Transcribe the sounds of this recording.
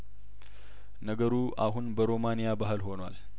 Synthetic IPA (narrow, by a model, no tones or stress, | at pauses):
nəɡəɾuʔaɦunbəɾo̞manijabaɦɨlho̞nwa̰l